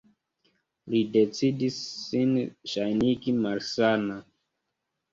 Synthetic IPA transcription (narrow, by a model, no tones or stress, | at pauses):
lidet͡sidisːinʃajniɡimalsana